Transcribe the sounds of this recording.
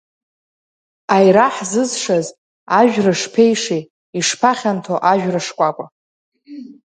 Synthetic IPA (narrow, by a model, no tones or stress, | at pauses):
ajɾaħzɨzʂaz | aʒᶣrɨʂpʰejʂe | iʂpʰaχʲantʰoʔaʒᶣraʂkʷʼakʷʼa